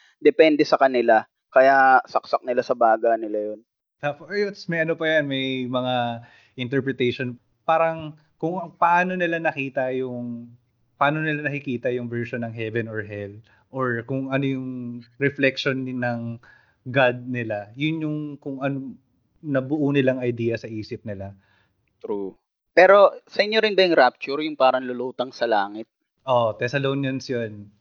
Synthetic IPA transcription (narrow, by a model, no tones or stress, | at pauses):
d̪ɛpɛnd̪ɛsɐkɐnɪla | kɐjasɐksak̚nɪlasɐbaːɡanɪlajon | t̪afojɛt̪smɐjʔɐnopɐjɐnmɐjmɐŋa | ʔɪnt̪̬ɛɹpɹɛt̪ejʃon | paːɾɐŋ | kʊŋpɐʔaːno̞nɪlanɐkiːt̪ɐjʊŋ | pɐʔaːno̞nɪlanɐkɪkiːt̪ɐjʊŋvɛɹʃonːɐŋɦɛvɛnoɹɦɛl | ʔoɹkʊŋʔɐnojʊŋɾɛflɛkʃonnɐŋ | ɡad̪̚nɪlajʊnjʊŋkʊŋʔɐno | nɐbʊʔunɪlaŋɐjd̪iːjɐsɐʔiːsɪp̚nɪla | t̪ɾu | pɛːɾo̞sɐʔɪɲːoɾɪnbɐɪŋɾap̚t͡ʃʊɾjʊŋpaːɾɐŋlʊluːt̪ɐŋsɐlaːŋɪt̪̚ | ʔot̪ɛsɐlownjɐnsjon